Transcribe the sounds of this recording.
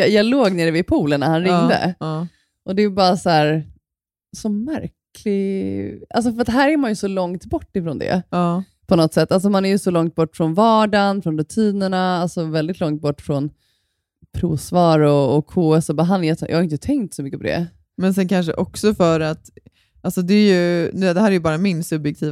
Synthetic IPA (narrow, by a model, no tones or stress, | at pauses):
jɑloːɡneɖɛvɪpʰuːlənːaɾhanɾɪŋd̪ə̰ | ʔɔd̪ɛbɑːɾasɔæːɾ | sɔmæɾkʰlɪ | ʔa̰ls̬ɔfœɾat̪ɦæːɾæɾmanjɵsɔlɔŋt̪bɔʈːɪfɾɔnd̪ɛ̰ː | pʰɔnɔt̪sɛt̪ːals̬ɔmanæɾjɵsɔlɔŋt̪̚bɔʈːfɾɔnvɑːɖanfɾɔnɾʉt̪ʰiːnəɳaalsɔvɛld̪ɪt̪lɔŋt̪̚bɔʈːfɾɔn | pʰɾuːsvɑːɾɔːkʰːoːɛsɔbaɦanːjɛt̪jʔɑːhaɾɪnt̪ət̪ʰɛŋt̪sɔmʏkːəpʰɔd̪ɛ̰ | mɛnsɛnkʰanʂ̬ə̰ʔɔksɔfœɾat̪ | ʔalsɔd̪ɛːɾjɵnːd̪ɛhæːɾæɾjɵbɑːɾamɪnsɵbjɛk̚t̪ʰiː